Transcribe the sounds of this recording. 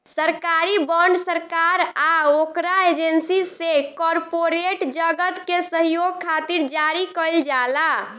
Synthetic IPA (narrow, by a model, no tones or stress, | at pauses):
səɾkaɾibəɳɖsəɾkaɾaokɾaed͡ʒensisekɔɾpoɾeʈd͡ʒəɡət̪kesəɦijoɡ̚kʰːat̪iɾd͡ʒaɾikəɪld͡ʒala